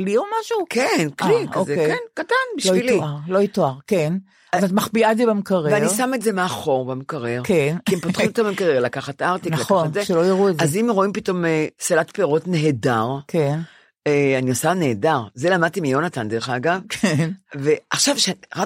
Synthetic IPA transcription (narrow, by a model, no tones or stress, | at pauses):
kliomaʃukenkliozekenkatanbiʃloiliʁloitoaʁken | zat̪maχbiatzebemkaʁeeanisame̞tzemeaχo̞ʁbemkaʁeʁkenkiiempotχimot̪amemkaʁeʁlakaχatʔaʁt̪iknalakozeʃelojiʁuezazimʁo̞impito̞mesalatpeʁo̞tneɦedaʁken | eaniosane̞ːdaʁzelamad̚t̪imijo̞nat̪and̪eʁeχaːɡavkʰenveaχʃavʃeʁa